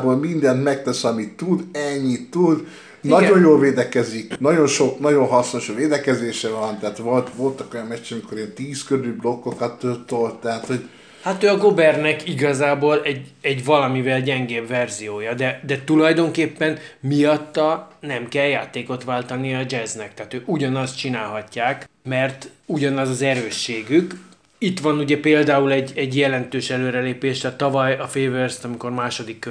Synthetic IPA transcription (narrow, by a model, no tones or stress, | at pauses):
boːlmind̪ɛnt̪mɛk̚t̪ɛsɒmit̪ːud̪ɛɲːit̪ːud̪ | nɒɟo̞njoːlveːd̪ɛkɛziknɒɟo̞nʃo̞knɒɟo̞nɦɒsno̞ʃveːd̪ɛkɛzeːʃɛvɒnt̪ɛɦaːt̪ʋolt̪ʋo̞lt̪ɒko̞jɒmmɛt͡ʃt͡ʃːɛmiko̞ɾeːnt̪iːskøɾyblo̞kːokɒt̪ːøt̪olt̪ːɛɦat̪ho̞ɟ | hat̪øːɒɡo̞bɛrnɛkiɡɒzaːboːlɛɟɛɟvɒlɒmivɛlɟɛŋɡeːbvɛrzijoːjɒd̪ɛd̪ɛt̪ulɒjd̪o̞ŋkeːpːɛnmijɒt̪ːɒnɛmkɛljaːt̪eːko̞t̪ʋaːlt̪ɒniɒd͡ʒɛznɛk̚t̪ɛɦːt̪øːʔuɟɒnɒst̪t͡ʃinaːlɦɒcːaːk | mɛrt̪uɟɒnɒzɒzɛɾøːʃːeːɡyk | it̪ʋɒnuɟɛpeːld̪aːulɛɟːɛɟjɛlɛnt̪øːʃɛløːɾɛleːpeːʃt̪ɛt̪ːɒvɒjɒfeːvørst̪ɒmiko̞rmaːʃo̞d̪ikːø